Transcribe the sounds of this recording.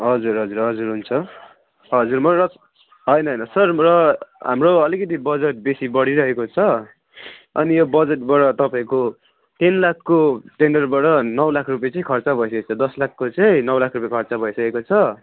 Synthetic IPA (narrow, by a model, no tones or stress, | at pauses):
ɦʌd͡zuɾɦʌd͡zuɾɦʌd͡zuɾɦunt͡sʰʌ | ɦʌd͡zurmʌrʌ | ɦʌjnʌɦʌjnʌsʌrrʌɦa̰mroʌlikʌt̪̬ibʌd͡zeʈ̚besibʌɽiɾʌɦekot͡sʰʌ | ʌ̰nijobʌd͡zeʈbaʈʌt̪ʌpãĩko | ʈ̪inlakʰːoʈenɖʌrbaʈʌnʌwlakʰrup̬jet͡sʌĩkʰʌrt͡sabʱʌjsʌket͡sʰʌd̪ʌslakʰːot͡sʌĩnʌwlakʰrupjekʰʌrt͡sabʱʌisʌkekot͡sʰʌ